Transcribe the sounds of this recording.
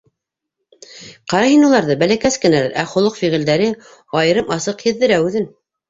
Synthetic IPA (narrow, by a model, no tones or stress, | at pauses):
qɑɾɑhinulˠɑɾðɤbælækæskɘ̆nælæ̰ɾʔæχŏlˠɤqfiʁɘ̆ld̪æɾɘ | ɑjɤ̆ɾɤmɑsɤqhɘ̆ðːɘ̆ɾæʉðɘn